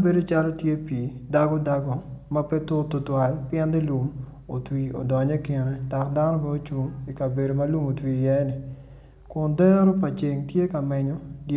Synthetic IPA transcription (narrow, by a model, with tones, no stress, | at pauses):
be˦do˦t͡ʃa˦lɔ˦tje˦pi˨da˦ɡɔ˦da˦ɡo˦ma˦pɛ˦tʊ˦to˨twa˨lpjɛ˦ndi˦lu˨m | o˨twi˨o̰˨dɔ˨ɲɛ˦kɪ˨ɾɛ˨da˨kda˦nɔ˦ma˦o˦t͡ʃu˨ŋi˨ka˨be˨ɾo˨mɐ˦lu˦mo˨twi˨jɛ˦nɪ˨ | kʊ˨ndɛ˦ɾo˦pa˨t͡ʃe˨ŋtje˦ka˨mɛ˨ɲo˦d